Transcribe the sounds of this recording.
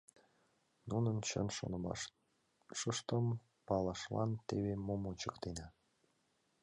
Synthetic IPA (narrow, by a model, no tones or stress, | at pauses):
nunənt͡ɕə̰nʃo̰n | ʃəʃt̪əm | pɑlɑʃlɑ̰nt̪eβemomot͡ɕəkt̪enɑ